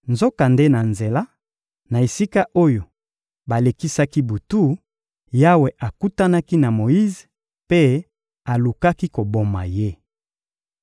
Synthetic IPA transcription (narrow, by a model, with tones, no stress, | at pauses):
nzo˦ka˨nde˦na˨nze˨la˦ | na˨e˨si˦ka˦ʔo˦jo˨ | ba˨le˨ki˦sa˦ki˦bu˨tu˦ | ja˦we˨ʔa˨ku˦ta˦na˦ki˦na˨mo˨ji˦ze˨ | pe˦ | a˨lu˨ka˦ki˦ko˨bo˦ma̰˨je˦